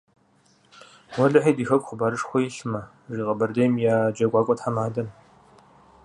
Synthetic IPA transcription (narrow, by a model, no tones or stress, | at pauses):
wɔɮɨħiːdiːxɐkʷʼχʷʊbaːɾɨʂxʷɔjiɬɨmɐ | ʐiːqʼɐbɐrdejmjaːd͡ʒɐɡʷɑːkʷʼɔtħamaːdɐm